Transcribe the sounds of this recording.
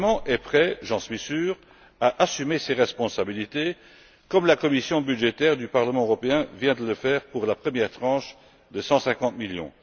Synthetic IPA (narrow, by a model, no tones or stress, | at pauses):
mɑ̃ʔɛpχɛʒɑ̃sɥisyːʁ | aʔasymeseʁɛspɔ̃sabilit̪e | kɔmlakɔmisjɔ̃byʒet̪ɛʁd̪ypaʁləmɑ̃øʁɔpeɛ̃vjɛ̃d̪ələfɛːʁpuʁlapχəmjɛʁt̪χɑ̃ːʃ | d̪əsɑ̃sɛ̃kɑ̃t̪miljɔ̰̃